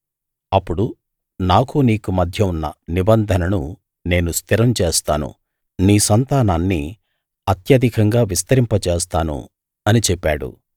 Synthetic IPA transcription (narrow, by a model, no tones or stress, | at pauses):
ɐpːuɽu | naːkuniːkumɐd̪ʱjɐunːɐ̰nibɐnd̪ʱɐnɐnu | ne̞ːnust̪ʰiɾɐmt͡ʃeːst̪aːnṵ | niːsɐnt̪aːnaːnːi | ɐt̪jɐd̪ʱikɐŋɡaːʋist̪ɐɾimpɐt͡ʃeːst̪aːnṵ | ɐnit͡ʃɛpːaːɽṵ